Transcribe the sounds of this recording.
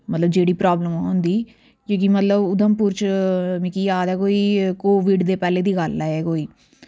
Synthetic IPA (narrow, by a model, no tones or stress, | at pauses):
mət̪ləb̚d͡ʒeːɽiːpɾaːbləmːɦõːnd̪iː | kjõːkimət̪ləbʊd̪əmpuːɾt͡ʃmɪkiːjaːd̪ɛːkoːiːkoːʋɪɖd̪eːpɛːleːd̪iːɡəlːɛeːkoːiː